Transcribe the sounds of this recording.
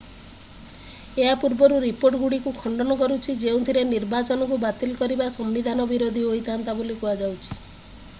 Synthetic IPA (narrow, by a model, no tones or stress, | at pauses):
eɦapuɾbɔɾuɾipoɾʈɡuɽikukʰɔɳɖɔnɔkɔɾut͡ʃʰid͡ʒeũt̪ʰiɾeniɾbat͡ʃɔnɔk̬ubat̪ilkɔɾibasɔmːid̪ʱanɔbiɾod̪ʱiojt̪ant̪abolikuad͡ʒawt͡ʃʰi̥